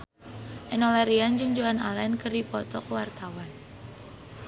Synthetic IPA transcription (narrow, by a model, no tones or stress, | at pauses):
ʔɛnɔlaɾiand͡ʒɨŋd͡ʒoanalankərdipɔt̪ɔkəwart̪awan